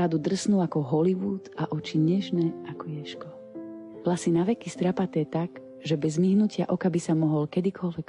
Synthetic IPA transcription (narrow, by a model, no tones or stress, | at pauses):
ad̪ud̪r̩snuakɔɦɔliʋuːt̪aʔɔt͡ʃiɲɛʒnɛakɔjɛʃkɔ | plasinaʋɛkist̪ɾapat̪ɛɛt̪aɡ | ʒɛbɛzmiɦnucɪaʔɔkabisamɔɦɔlkɛd̪ikʰɔlʋɛk